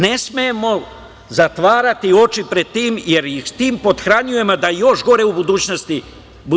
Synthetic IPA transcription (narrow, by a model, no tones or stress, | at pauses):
ne̞smejemo̞ | zat̪ʋaːɾat̪io̞t͡ʃipɾe̞d̪̚t̪iːmje̞ɾjixt̪iːmpo̞d̪xɾaɲuje̞mad̪ajo̞ʃɡo̞ɾeubud̪uːt͡ɕnost̪i | bu